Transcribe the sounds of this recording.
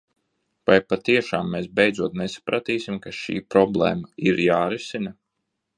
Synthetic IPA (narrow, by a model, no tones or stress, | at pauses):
v̥ajpat̪iɛʃaːmːeːsbejd̪zuɔt̪nesḁpɾat̪iːsimkaʃḭːpɾɔblˠḛːmaiɾjaːɾisina